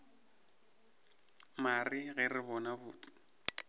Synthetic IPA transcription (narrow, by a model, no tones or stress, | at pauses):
mariɣɛrɪbɔnabʊːt͡sɪ̥